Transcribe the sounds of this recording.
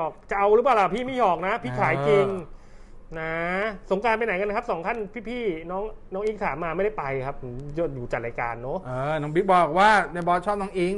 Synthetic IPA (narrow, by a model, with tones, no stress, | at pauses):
ɔː˨˩k̚t͡ɕa˨ʔa˧wɾɯ˦˥plaː˨˩wlaː˨˩pʰiː˥˩mi˥˩˨hɔː˨˩k̚na˦˥pʰiː˥˩kʰaː˩˦jki˧n | na˦˥so˩˦ŋkaː˧npa˧jna˩˦jka˧nːa˧kʰa˦˥p̚sɔː˨˩˦ŋk̪ʰa˥˩npʰiː˥˩pʰiː˥˩nɔː˦˥ŋ | nɔː˦˥ŋʔiː˦˥ŋt̪ʰaː˨˩˦mːaː˧ma˥˩jda˥˩pa˧jkʰa˦˥p̚hɯ˩˦jo˧˥˩juː˨˩t͡ɕa˨˩ɾaː˧ka̰ː˧nːo˦˥ʔːnɔː˨˦˥ŋbi˦˥bɔː˨˩k̚waː˥˩na˧˩bɔː˦˥t͡ɕʰɔː˥˩p̚nɔː˦˥ŋʔi˦˥ŋ